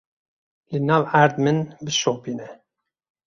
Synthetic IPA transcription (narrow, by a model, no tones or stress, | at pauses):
lɨnɑːvæɾd̪mɨnbɨʃoːpiːnɛ